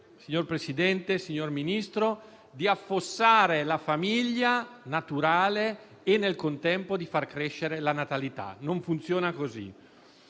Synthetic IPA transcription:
siɲorpɾesid̪ɛnt̪esiɲːorminist̪ɾo | d̪iafːosːaːɾelafamiʎːanat̪uɾaːleː | nːelkont̪ɛmpod̪ifarkɾeʃːeɾelanat̪alit̪a̰noɱfunt̪sjoːnakozḭ

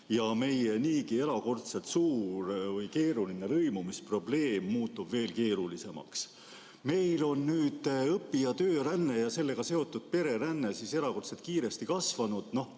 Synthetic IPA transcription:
jɑme̞jeniːkie̞ɾɑko̞rt̪se̞lt̪suːɾvɯjke̞ːɾulinelɤjmumispro̞ble̞ːmːuːt̪ːubve̞ːlke̞ːɾulise̞mɑ̰ks | me̞jlo̞nnyːd̪̥ɤpːiɑt̪øːɾænːe̞jɑse̞lːe̞ɡ̥ɑse̞o̞t̪ːˑud̪̥̚pe̞ɾe̞ɾænːe̞sise̞ɾɑko̞rt̪set̪̚kiːɾe̞st̪ikɑsvɑnud̪̥no̞h

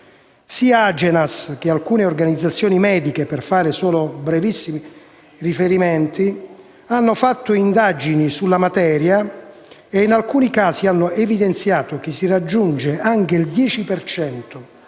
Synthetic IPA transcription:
siaad͡ʒɛnask̟ealkuːneorɡanid̪zːat̪sːjɔːnimɛːd̪ikeperfaːɾesɔːlobɾɛvisːimi | rifeɾimɛnt̪i | anːofat̪ːʊind̪ad͡ʒinisulːamat̪ɛːɾja | einalkuːnikaːzianːoevid̪ent̪sjaːt̪ok̟ɪsːirad͡ʒːund͡ʒeʔaŋk̟eild̪jɛːt͡ʃipert͡ʃɛnt̪o

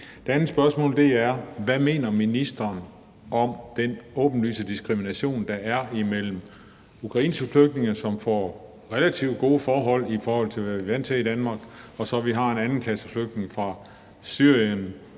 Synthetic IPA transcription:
d̥e̝ænð̩sb̥ɶɐsmɔ̰̽ːld̥e̝æɐʋæme̝̰ːnɐminisd̥ɐːn | ɒ̽md̥enɔ̰̽ːb̥n̩ly̰ːsəd̥isɡ̥ʁiminæɕo̝̰ːnd̥ɑ̈ʔæɐimel̰m̩ | ukʰʁɑ̈ḭːnsɡ̥əfløɡ̥̚dne̝ŋɐsɒ̽mfɒ̰ː | ʁɛlæt͡sʰiʊd̥̚ɡ̥o̝ːfɒːɦɒ̽l̰ifɒːhɒ̽l̰t͡sʰe̝lʋæʋiʋæn̰t͡sʰeid̥ænmɑ̈ːɡ̥ɒ̽sɒ̽ʋiɦɑ̈e̝nænn̩kʰæsəfløɡ̥̚d̥ne̝ŋfʁɑ̈ | syɐ̰jən

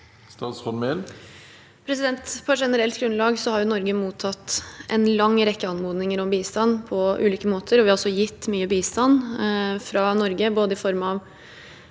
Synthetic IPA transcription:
st̪ɑːt̪sfɔɾmɛl | pʰɾɛsɪd̪ɛnt̪pʰɑʂɛnəɾɛlt̪̚ɡɾʉnlɑːɡsɔhɑɾjʊnɔɾɡəmuːt̪ʰɑt̪ːʔɛ̰nlɑŋːɾɛkːəɑnmuːd̪nɪŋəɾɔmbiːst̪ɑnːpʰɔʉːliːkəmoːt̪ʰəɾɔʋɪɑɾɔlsɔjɪt̪ːmyːəbiːst̪ɑnfɾɑnɔɾɡəboːd̪əɪfɔɾmɑʋ

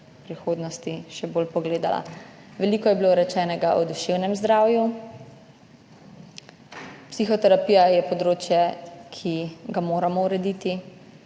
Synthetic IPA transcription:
pɾixoːd̪nɔst̪iʃɛboːlpɔɡleːd̪a̰la̰ʋɛlikɔjɛbiloɾɛt͡ʃɛːnɛɡaʔɔd̪uʃewnɛmzd̪ɾaːwju | psixɔt̪ɛɾapiːjajɛpɔd̪ɾoːt͡ʃjɛkʰiɡamoːɾamɔuɾɛd̪iːt̪i

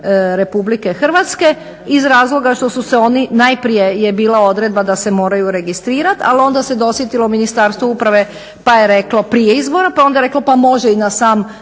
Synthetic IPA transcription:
ɾe̞publike̞xr̩ʋat̪ske̞ | izɾaːzlˠo̞ɡaʃt̪o̞suseo̞ninajpɾijejebiːlao̞d̪ɾe̞d̪̚bad̪ase̞mo̞ːɾajuɾe̞ɡist̪ɾiːɾat̪a̰lio̞nd̪ased̪o̞sjet̪ilominist̪aːɾst̪ʋoupɾaʋe̞ | pajeɾe̞klopɾijeizbo̞ɾapao̞nd̪aeɾe̞klopamo̞ʒeinasaːm

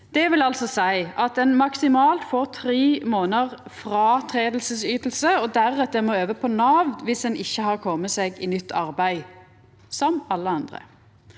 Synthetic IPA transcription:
d̪̥ɛʋɪlɑlsɔsæɪʔɑt̪ɛnmɑksɪmɑːlt̪foːʁt̪ʰɾiːmoːnəʁfʁɑːt̪ʰʁeːd̪l̩səsyːt̪l̩səɔd̪æʁɛt̪əʁmɔøːʋəpʰɔnɑːʋnʋɪsdɛnʔɪçːəhɑʁkʰɔmːəseːɡɪ̰nʏt̪ʰːɑʁbæɪ | sɔmɑlːəɑnd̪ʁə̰

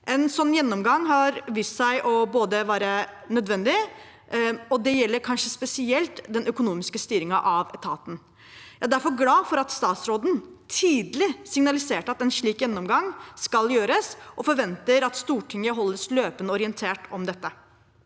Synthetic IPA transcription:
ʔɛnsɔnːjɛnːɔmɡɑŋːɦɑɾʋissæɪʔɔboːd̪əʋæːɾə | nœd̪ʋɛnd̪ɪ | ɔd̪ɛjɛlːəɾkʰɑnʂəspɛsɪɛlt̪d̪ɛnœkʊnuːmɪskəst̪yːɾɪŋɑʔɑʋɛt̪ʰɑːt̪n̩ | jæɪd̪æɾfɔɾɡlɑːfɔɾɑt̪st̪ɑːt̪sɾoːd̪n̩ | t̪ʰiːd̪lɪsɪŋnɑlɪseːʈɑt̪ɛnʂɭiːkjɛnːɔmɡɑŋskɑljøːɾəsʔɔfɔɾʋɛnt̪əɾɑt̪st̪uːʈʰɪŋːəɦɔlːəsløːpənəɔɾɪɛnt̪ʰeːʈʰɔmd̪ɛt̪ːə

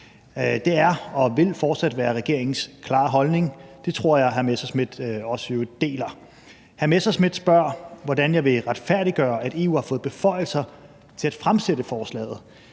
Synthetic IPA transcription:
d̥e̝æɐɒ̽ʋe̝lfɒːd̥sæd̥ʋæːɐʁɛɡ̥e̝ɐeŋn̩skʰlɑ̈ːɦɒ̽lne̝ŋd̥e̝t͡sʰʁo̝ɐ̰jɑ̈ɪɦæɐmesɐsmid̥ɒ̽səjo̝d̥e̝̰ːlɐ | hæɐmesɐsmid̥sb̥ɶɐ̰ʋɒd̥ænjɑ̈ɪʋe̝ʁad̥fæɐ̰ɾ̥iɡ̥ɶːɐʔæd̥e̝ːṵːhɑ̈fɔ̽ːð̩ˠb̥e̝fɒ̽ɪ̰l̩sɐ | t͡sʰe̝læd̥fʁamsedəfɒːslɛ̰ːð̞̩ˠ

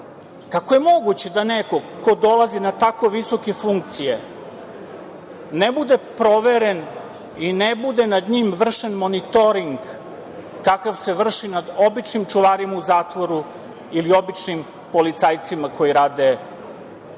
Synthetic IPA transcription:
kako̞je̞mo̞ɡut͡ɕed̪aneko̞ko̞d̪o̞lazinat̪ako̞ʋiso̞kefuŋk̚t̪sije | nebud̪e̞pɾo̞ʋeɾen | inebud̪enad̪ɲimʋr̩ʂenmo̞nit̪o̞ɾiŋɡː | akaʋse̞ʋr̩ʂinad̪o̞bit͡ʂnimt͡ʂuʋaɾimauzaːt̪ʋoɾu | ilio̞bit͡ʂnim | polit̪sajt̪simako̞jiɾaːd̪e

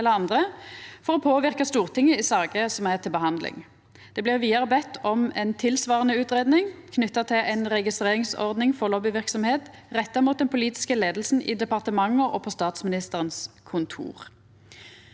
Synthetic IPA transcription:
ɛləɑnd̪ʁəfɔʁɔpʰoːʋɪʁkɑst̪uːʁt̪ʰɪŋːəɪsɑːɡəsɔmæʁt̪ʰɪlbəɦɑnd̪lɪ̰ŋ | d̪̥ɛːblɪʁʋiːɑʁəbɛt̪ːɔmɛ̰nt̪ʰɪlsʋɑːʁənəʉːt̪ʁeːd̪nɪŋkʰnʏt̪ːɑt̪ʰɪlʔɛɪnʁɛɡɪst̪ʁeːʁɪŋsɔ̰ʁd̪nɪŋfɔʁloːbɪʋɪʁksɔmheːt̪ʁɛt̪ːɑmuːt̪̚d̪ɛnpʰʊliːt̪ɪ̥skəleːd̪l̩sn̩ʔɪ̰d̪ɛpɑʁt̪əmɑŋːəʔɔpʰɔst̪ɑːt̪smɪnɪst̪əʁənskʰʊnt̪ʰṵːʁ

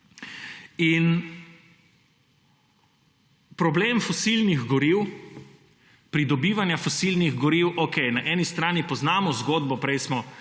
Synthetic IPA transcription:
in | pɾɔbleːmfɔsilniɣɡɔɾiːw | pɾid̪ɔbiːʋanjafɔsilniɣɡɔɾiwʔokɛɪnaʔɛnist̪ɾaːnipɔznaːmɔzɡoːd̪bɔpɾɛjsmɔ

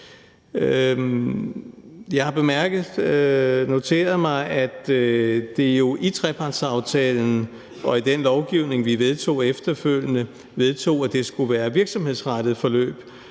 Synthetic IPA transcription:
jɑ̈ɪhɑ̈b̥e̝mæɐɡ̥ð̩ˠ | no̝t͡sʰe̝̰ːɐð̞ˠmɑ̈ɪʔæd̥d̥e̝jo̝ʔit͡sʰʁɛpʰɑ̈d̥sɑ̈ʊt͡sʰɛːln̩ | ʔɒ̽id̥enlɒʊɡ̥iʊne̝ŋʋiʋeð̞ˠt͡sʰo̝̰ːefd̥ɐføl̰jənə | ʋe̝ð̞ˠt͡sʰo̝̰ːæd̥e̝sɡ̥uʋæːɐʋiɐɡ̥sɒ̽mhe̝ð̰ˠsʁaɾ̥ð̩ˠfɒ̽lø̰ːb̥

